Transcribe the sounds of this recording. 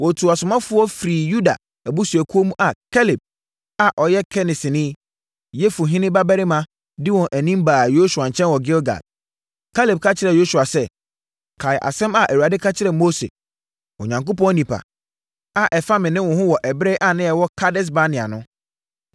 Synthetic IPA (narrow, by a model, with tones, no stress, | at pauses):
wɔ˨tʰu˨a˨sʊ˨mã˦fʊ˦ɔ˦fɾiː˨ju˦da̰˨ | æ˨bu˦su˨æ˨kʰu˦o˦mũ˦ʔa˨kʰɛ˦lɪ˨b̚ | a˨ʔɔ˨jɛ˦kʰɛ˦nɪ˨sɪ˨nɪ̃˦ | jɛ˦fu˨ɦɪ̃˦nɪ̃˦ba˦bɛ˦ɾɪ˦mã˨ | dɪ˦wɔ̃˨nʔæ˨nĩ˦mbaː˨jo˦su˨a˨ɲ̩˨t͡ɕʰɛ̃˦nwɔ˨ɡɪ˦lɡa̰˨d | kʰa˦lɪ˨b̚kʰa˦t͡ɕʰɪ˦ɾɛ˨jo˦su˨a˨sɛ˦ | kʰa˨ɪ˨ʔa̰˨sɛ̃˦ma˨ʔæ˨wu˨a˨dɪ˦kʰa˦t͡ɕʰɪ˦ɾɛ˨mo˦sḛ˨ | ɔ̰˨ɲã˨ŋko˦pɔ̃˦nĩ˨pʰa̰˨ | a˨ʔɛ˨fa˦mɪ̃˨nɪ̃˦wɔ̃˨hʊ̃˦wɔ˨ʔɛ˨bɾe˦ʔa˨nɪ̃˦jɛ˨wɔ˦kʰa˦dɪ˦s̬ba˦nɪ̃˨a˨nʊ̃˦